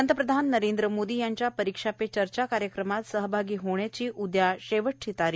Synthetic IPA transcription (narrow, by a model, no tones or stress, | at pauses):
ənt̪əpɾəd̪ʱanːəɾend̪ɾəmod̪ijaɲt͡ɕjapəɾikʂapet͡ɕəɾt͡ɕakaɾjəkɾəmat̪səɦəbʱaɡiːɦoɳjat͡ɕiːʔud̪jaɕeʋəʈʰːit̪aɾiː